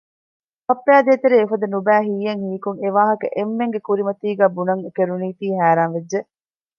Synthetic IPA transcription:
pɐpːæːd̪eːt̪eɾeːfɐd̪ɐnubæːɦiːjɐŋhiːkuŋeʋaːɦɐkɐ̰ʔemːeŋɡekuɾimɐt̪iːɡæːbunɐŋekeɾuniːt̪iːɦæːɾaːnʋed͡ʒːe

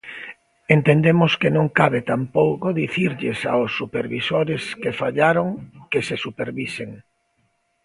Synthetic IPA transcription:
ent̪end̪emoskenõŋkaβɪt̪ampowkoðiθiɾʎɪsa̰ʊsːupeɾβisoɾɪskefaʎaɾoŋkesesupeɾβiseŋ

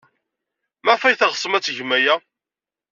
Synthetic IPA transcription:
mæfæjθæʁsˤəmæt͡sːʝmæjæ

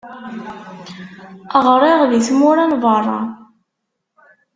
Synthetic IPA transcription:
əʁɾˤɪʁðiθmʊɾanvərˤːɑ̰

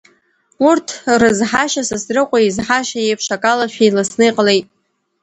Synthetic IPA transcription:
urtʰrɨzħaʃasɨsrɨqʷʼaizħaʃajejpʰʂakʼalaʃᶣejlasnɨjqʼəlejtʼ

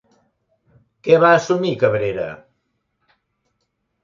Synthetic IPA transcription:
kɛβaəsumikəβɾeɾə̰

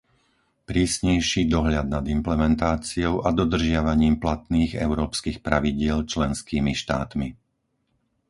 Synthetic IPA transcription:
pɾiːsɲɛjʃiːd̪ɔɦʎad̪nad̪implɛmɛnt̪aːt͡siɔʊʔad̪ɔd̪r̩ʒɪaʋaɲiːmplat̪niːɣɛ̰ʊɾɔːpskiːxpɾaʋiɟɪɛlt͡ʃlɛnskiːmiʃt̪a̰ːt̪mi

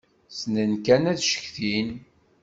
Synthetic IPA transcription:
snənkænæðʃə̥çθin

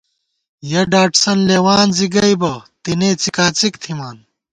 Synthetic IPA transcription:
jɐɖaːʈsɐnleːwaːnziɡɐjbɐt̪ineːt͡sikaːt͡sikt̪ʰimaːn

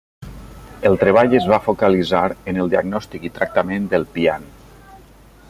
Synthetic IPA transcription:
əlˠt̪ɾəβ̞aʎəzβafokalizaɾənəlˠd̪iaɡnɔst̪ikit̪ɾak̚t̪amẽnd̪əlˠpian

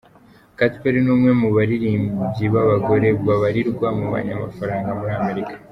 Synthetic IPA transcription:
katpeɾinuːmŋe̞muβaɾiɾiːmbubɟiβaβaɡo̞ɾe̞bwaβaɾiɾɡwamuβa̰ɲama̰faɾaːŋɡamuɾiame̞ɾikḁ

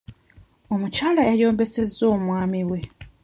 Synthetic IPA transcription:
o̞mucaːlajajo̞ːmbe̞se̞zːo̞ːmwaːmiwe̞

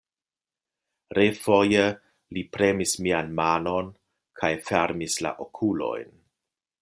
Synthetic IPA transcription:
ɾefoje | lipɾe̞mismianmano̞n | kʰajfe̞ɾmisla̰ʔokʰulo̞̰jn

